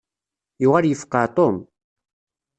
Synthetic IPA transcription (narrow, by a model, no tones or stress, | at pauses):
juʁaljəfqɑt̪ˤom